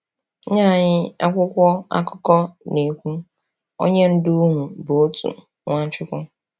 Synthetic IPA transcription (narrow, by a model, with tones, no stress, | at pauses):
ɲa˦˨ɲɪ˦a˦kʷʊ˦kʷɔ˦a̰˦kɔ˦kɔ˦ne˨kʷu˦ | o̰˦ɲe˦n̩˦dʊ˦ɦʊ̃˨bo˨o˦tṵ˨ | ŋʷã˦t͡ʃᶣɪ˦kʷʊ˦